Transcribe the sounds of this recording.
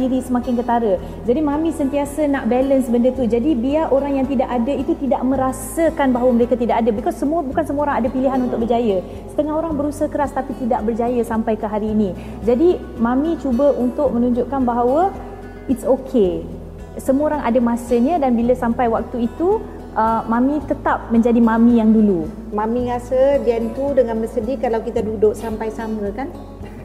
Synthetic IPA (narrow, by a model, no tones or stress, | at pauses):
iɾisəmakɪŋkət̪aɾə | d͡ʒadimãmĩsənt̪iasənaʔbɛlənsəbəndət̪ud͡ʒadibiaʔoɾaŋjaŋt̪idaʔadəit̪ut̪idaʔmə̃ɾasəkanbaɦawəməɾekat̪idaʔadəbəkasəmuəbukansəmũoɾaŋadəpiliɦanunt̪ʊk̚bərd͡ʒajə | sə̥t̪əŋahɦoɾaŋbəɾusaɦakəɾast̪apit̪idaʔbərd͡ʒajəsampajkəɦaɾiːni | d͡ʒadi | mãmĩt͡ʃubəʔunt̪ʊʔ̚mənuɲd͡ʒʊʔkanbaɦawə | itsokʰe | səmuoɾaŋʔa̰dəmasəɲədanbiləsampajwak̚t̪uit̪u | ʔəmãmĩt̪ət̪ap̚mə̃ɲd͡ʒadimamĩjaŋdulu | mãmĩŋasəd͡ʒiɛnt̪udəŋanbəsədikalawkit̪adudʊʔsampajsaməkan